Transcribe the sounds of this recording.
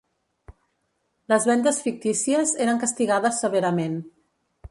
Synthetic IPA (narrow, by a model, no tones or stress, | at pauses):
ləzβɛnd̪əsfik̚t̪isiəzeɾəŋkəst̪iɣaðəsːəβəɾəmen